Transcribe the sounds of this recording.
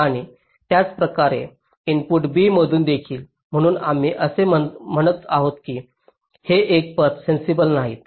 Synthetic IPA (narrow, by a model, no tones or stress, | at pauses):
aɽ̃i | t̪jat͡spɾəkaɾḛ | inpuʈbiːm̤əd̪ʱuːnd̪ekʰiːl | m̤əɽ̃uːna̰m̤iːʔəseməm̤əɽ̃ət̪aɦot̪kiː | heʔek̚pət̪sensibəlnaɦḭːt̪̚